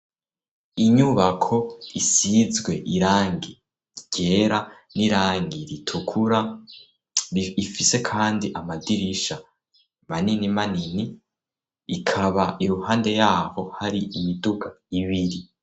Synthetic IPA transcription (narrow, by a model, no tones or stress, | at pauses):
iɲuβakʰo̞isizɡwe̞ʔiɾaːŋɡi | ɟ̥e̞ɾa | niɾaːŋɡiɾitʰukʰuɾa | ifise̞kʰaːndiʔamadiɾiʃa | maninimanini | ikʰaβaiɾuhaːnde̞jaːho̞haɾiʔijidukʰaiβiɾi